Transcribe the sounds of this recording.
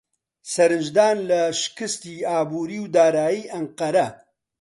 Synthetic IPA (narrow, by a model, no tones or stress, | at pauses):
sɐɾɨnd͡ʒd̪aːnlɐʃkɨst̪iːaːbuːɾiːwd̪aːɾaːjiːʔɐɴqɐɾɐ